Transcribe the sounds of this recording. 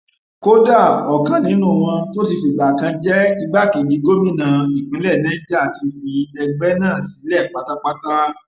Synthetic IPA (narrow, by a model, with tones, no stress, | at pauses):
ko˦da˦˨ɔ˨kã˦nĩ˨˦nũ˦˨w̃ɔ̃˧to˦ti˧fe˨ɡ͡ba˨kã˧d͡ʒɛ˦i˧ɡ͡ba˦ke˨d͡ʒi˨˦ɡo˦mĩ˦˨nã˨i˨ɡ͡bĩ˨˦lɛ˦˨nɛ̃˦d͡ʒa˦˨ti˧fĩ˧ɛ˧ɡ͡bɛ˦nãː˦˨si˨˦lɛ˦˨k͡pa˦ta˧k͡pa˦ta˦